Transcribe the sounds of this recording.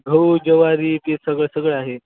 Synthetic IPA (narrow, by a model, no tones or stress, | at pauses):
ɡʱəwd͡ʑəʋaɾiːpesəɡɭesəɡɭaɦe